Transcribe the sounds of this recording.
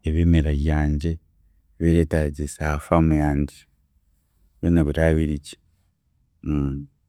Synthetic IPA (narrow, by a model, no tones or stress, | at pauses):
eβimiɾaβjaːɲɟe̞ | βiɾetaɟisahafamujaːɲɟi | βinaβuɾaːβiɾiɟe̥